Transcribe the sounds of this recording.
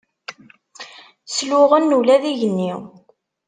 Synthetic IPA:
slʊʁənːulæðiʝənːiw

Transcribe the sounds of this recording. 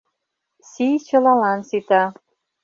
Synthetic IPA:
sit͡ɕɤ̆lɑlɑnsit̪ɑ

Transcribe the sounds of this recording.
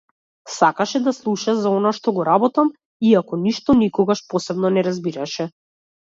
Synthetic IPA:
sakaʃɛd̪aslˠuʃazaɔnaʃt̪ɔɡɔɾabɔt̪am | iakɔniʃt̪ɔnikɔɡaʃpɔsɛbnɔnɛɾazbiɾaʃɛ

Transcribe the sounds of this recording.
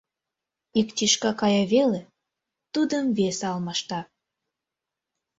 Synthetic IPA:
ikt̪iʃkɑkɑjɑβele | t̪ud̪əmvesɑlmɑʃt̪ɑ

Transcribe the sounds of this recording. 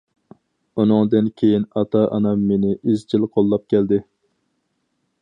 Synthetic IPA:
unɨŋd̪ɨnkʲʰejinɑt̪ʰɑʔɑ̰nɑmːenɪʔizd͡ʒilqʰolˠːɑp̚kʲʰɛld̪ɪ

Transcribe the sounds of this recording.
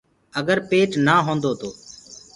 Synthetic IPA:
əɡəɾpeːʈnaːɦoːnd̪oːt̪oː

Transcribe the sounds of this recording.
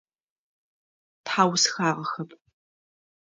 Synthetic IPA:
tħaːwsxaːʁɐxɐpʰʼ

